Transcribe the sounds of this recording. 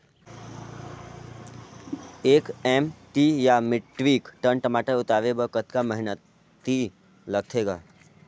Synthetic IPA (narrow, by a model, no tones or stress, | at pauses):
eːkɛmʈijamɪʈʋiːkʈənʈəmaːʈəɾʊt̪aːʋebəkət̪kaməɦɪnət̪ː | i | lɐɡ̚t̪ʰeːɡaː